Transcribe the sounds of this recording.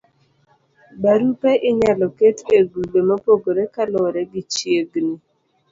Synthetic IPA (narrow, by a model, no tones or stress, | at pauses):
baɾupɛʔɪɲalɔketeɡubemapoɡoɾekalɔɾɛɡit͡ʃjeɡni